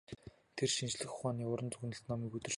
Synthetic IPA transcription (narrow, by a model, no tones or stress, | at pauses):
t̪ʰerʃint͡ɕɮɘ̆xʊχaːniːʊɾə̆nt͡sɵɣnə̆ɬt̪nɔmiːkɵt̪ɵ̆r